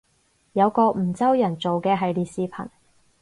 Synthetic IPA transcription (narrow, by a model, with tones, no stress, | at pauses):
jɐ˨˧wkɔː˧m̩˨˩t͡sɐ˥wjɐ˨˩nt͡so˨wkɛː˧ɦɐ˨jliː˨˧siː˧pʰɐ̰˨˩n